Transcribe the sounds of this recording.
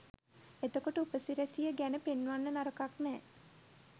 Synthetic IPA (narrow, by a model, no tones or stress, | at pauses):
et̪okoʈəupəsiɾæsijəɡænəpenːuʋanːənaɾəkaknɛː